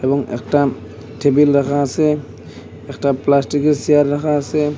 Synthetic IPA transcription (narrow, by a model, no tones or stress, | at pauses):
ɛbɔŋḛk̚ta | tʰebilɾakʰaseː | k̚taplastik̚esijaɾːakʰase